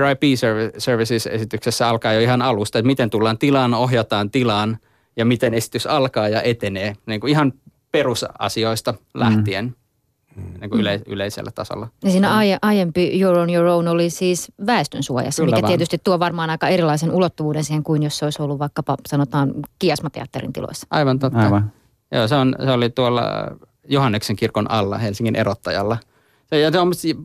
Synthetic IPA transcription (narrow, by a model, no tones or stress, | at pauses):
rɑipiːsøʋsørʋisisḛsit̪yksesːæɑlkɑːjoiɦɑnɑlust̪ɑet̪mit̪ent̪ulːɑːnt̪ilɑːnoɦjɑt̪ɑːnt̪ilɑːn | jɑmit̪enesi̥t̪ysɑlkɑːjɑʔet̪eneːniːŋkuiɦɑn | perusɑ̰sioist̪ɑlæ̰ht̪ien | niːŋkuyley̰leisḛlːæt̪ɑ̰so̰lːɑnisiːnæɑeʔɑjempijoronjorounolisiːsʋæest̪ønsuo̰jɑ̰sːmikːæiet̪yst̪it̪t̪uoʋɑrmɑːnɑikɑeɾilːˑɑisenulot̪ːuʋuːdensiːheŋkuinjosːeoisolːuʋʋɑikːɑpɑsɑnot̪ɑːnkiɑsmɑt̪ḛɑ̰t̪ːerḭnt̪ḭlo̰isːɑ̥ʔɑiʋɑnt̪ot̪ːɑ | jo̰ːseonseolit̪uolːɑ̰ | johɑnːekseŋkirkonʔɑlːɑ̰helsiŋkinʔḛrot̪ːɑjɑlːɑ | sejɑt̪omːost̪